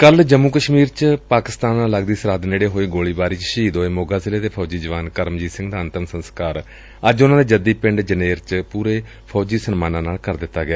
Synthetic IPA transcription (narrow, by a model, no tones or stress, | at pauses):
kəld͡ʒəmːuːkəʃmiːɾt͡ʃpaːkɪst̪aːnaːləɡd̪iːsəɾaːd̪neːɽeːɦoːiːɡoːliːbaːɾiːt͡ʃʃiːd̪oːeːmoːɡaːzɪleːt̪eːpʰɔːd͡ʒiːd͡ʒəʋaːnkəɾmd͡ʒiːsɪ̃ŋɡd̪aːənt̪əmsənskaːɾ | əd͡ʒʊnãːd̪eːd͡ʒəd̪iːpɪ̃ɳɖd͡ʒəneːɾt͡ʃpuːɾeː | pʰɔːd͡ʒiːsənmaːnãːnaːlkəɾd̪ɪt̪ːaːɡɪaː